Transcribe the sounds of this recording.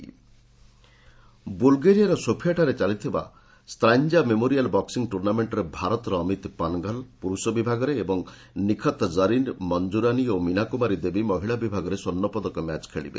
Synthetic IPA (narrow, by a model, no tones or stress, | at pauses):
bulɡeɾijaɾɔsopʰijaʈaɾet͡ʃalit̪ʰiba̰ | st̪ɾaɲd͡ʒamemoɾialbɔksiŋʈuɾnameɳʈɔɾebʱaɾɔt̪ɔɾɔːmit̪panɡalpuɾusɔbibʱaɡɔɾeːbɔŋ | nikʰɔt̪d͡ʒəɾinmɔnd͡ʒuɾaniominakumaɾid̪ebimɔɦiɭabibʱaɡɔɾesonːɔpɔd̪ɔkɔmja̰t͡ʃkʰeɭḭbḛ